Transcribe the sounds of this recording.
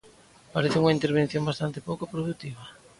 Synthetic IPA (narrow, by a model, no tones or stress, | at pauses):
paɾeθɪuŋaint̪eɾβ̞en̟θjoŋbast̪ant̪epowkopɾoðut̪iβ̞ɐ